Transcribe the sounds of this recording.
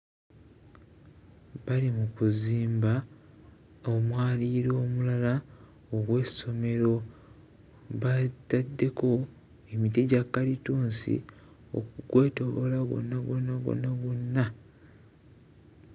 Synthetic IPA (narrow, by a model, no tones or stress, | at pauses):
βalimukuziːmba | omwaːliɾo̞ːmulala | oɡwe̞ːso̞me̞ɾo̞ | βatːadːe̞ko̞ | emitiɟakːalituːnsḭ | o̰kuɡwe̞ːto̞βolaβo̞̰nːaɡo̞nːaɡo̰nːaɡonːa